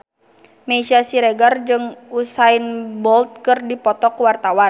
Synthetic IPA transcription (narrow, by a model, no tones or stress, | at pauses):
mesiasiɾɛɡard͡ʒɨŋusainbɔlt̪̚kɨrdipɔt̪ɔkuwart̪awan